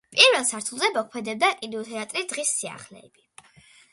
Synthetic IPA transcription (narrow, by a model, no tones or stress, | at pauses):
pʼiɾvɛlˠsaɾt̪ʰulˠzɛmɔkʰmɛd̪ɛb̚d̪akʼind̪ɔt̪ʰɛat̪ʼɾid̪̥ʁisːia̰χlɛ̰ːb̥i